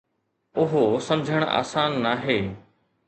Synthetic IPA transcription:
ʊɦosɐmd͡ʑʱəɽ̃a̰ːsãːnːaɦeː

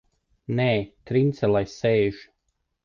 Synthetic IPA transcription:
nɛːt̪ɾint̪sɛlˠajsɛːʒ

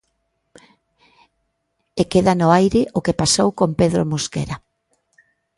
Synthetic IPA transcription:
ekeðanʊajɾɪʔʊkepasowkompeðɾo̰moskḛɾa

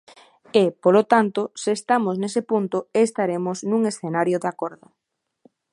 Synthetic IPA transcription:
ɪpolot̪ant̪ʊsɪːst̪amʊznesɪpunt̪ʊest̪aɾemʊsnũŋesθenaɾjoðakɔɾðʊ

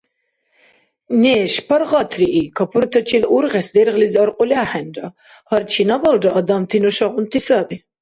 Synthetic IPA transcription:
nɛːʃpʰaɾʁɑt̪ʰriʔikʰapʰuɾt̪ʰat͡ʃʰiluɾʁɛsd̪ɛɾʁliziaɾqʼɔlʲaːħɛnda | haɾt͡ʃʰinabaldaʔad̪amt̪ʰinɔʃaʁunt̪ʰisabi

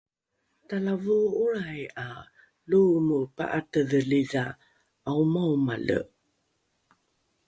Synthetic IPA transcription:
talavuuɾaja | lumupa̰ʔatəðəliza | aumawma̰lə̰

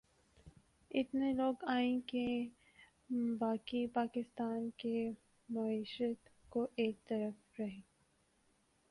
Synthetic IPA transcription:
ɪt̪neloːɡaːẽke | baːkipaːkɪst̪aːnke | mɐiːʃət̪koʔeːk̚t̪ɐɾəf | ɾɐɦẽː

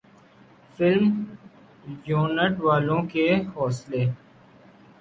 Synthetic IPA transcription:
fɪlm | joːnəʈʋaːlõkehɔːsleː

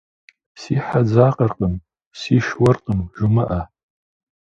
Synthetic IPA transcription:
siħad͡zaːqʼərqʼəm | siʃwɐrqʼəmʒumɨʔa

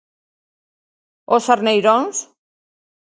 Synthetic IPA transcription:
osaɾnejɾons

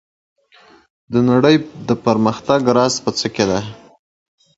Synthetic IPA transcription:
d̪ənaɽəjd̪əpəɾməxt̪aɡɾɑspət͡səked̪a

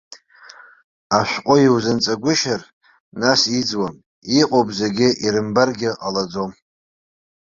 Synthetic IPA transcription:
aʃᶣʷqʷʼʊjiwzɨnt͡sʼaɡʷʊʃar | nasid͡zwam | iqʼopʼzeɡʲɪʔiɾɨmbarɡʲɪʔalad͡zom

